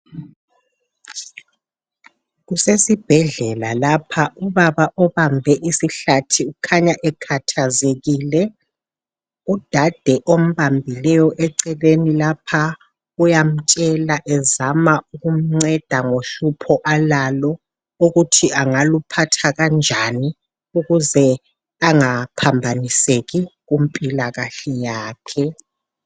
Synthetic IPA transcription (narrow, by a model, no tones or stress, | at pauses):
ɣusesib̥ʱɛɮɛlalapʰauβaβaʔɔβambʱɛʔisiɬatʰiukʰaɲaʔɛkʰatʰazeɣiːlɛ | ud̥ʱad̥ʱɛʔom̩βambʱilɛjɔʔɛǀɛlenilapʰa | ujam̩t͡ʃʼɛlaʔɛzamauɣum̩ŋ͡ǀɛd̥ʱaŋoɬupʰɔʔalalɔ | uɣutʰiʔaŋalupʰatʰaɣand͡ʒʱani | uɣuzɛ | aŋapʰambʱaniseɣiɣumpʼilaɣaɬɛjaːkʰɛ